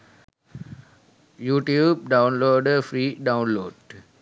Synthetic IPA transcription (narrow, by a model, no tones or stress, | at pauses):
juːʈjuːb̚ɖãʊ̃nloːɖəfɾiːɖãʊ̃nloːɖ